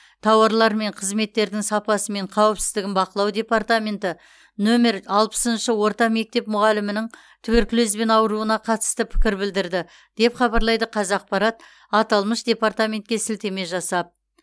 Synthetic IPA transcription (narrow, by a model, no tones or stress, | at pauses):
t̪ʰɑwɑɾlˠɑɾme̞ɴqʰəzme̞t̪ːe̞ɾd̪ɪŋsɑpɑsəme̞ɴqʰɑwəpsɪzd̪ɪɡʲɪnbɑqəlˠɑwd̪e̞part̪amʲe̞nt̪ɪ | nome̞ɾɑlˠpə̥sənʃəwo̞ɾt̪ɑme̞k̚t̪e̞pmʊʁɑlɪmɪnɪŋ | t̪ʰʏweɾkʲɪlezbe̞nɑwəɾuənɑqʰɑt̪ə̥st̪əpʰɪ̥kʲɪɾbɪld̪ɪɾd̪ɪ | d̪̥e̞pχɑbɑɾlˠɑjd̪əqʰɑzɑq̚pɑɾɑt̪̚ | ɑt̪ɑlˠməʃd̪ʲe̞paɾt̪amʲe̞nt̪kʲe̞sɪlt̪e̞me̞ʒɑsɑp̚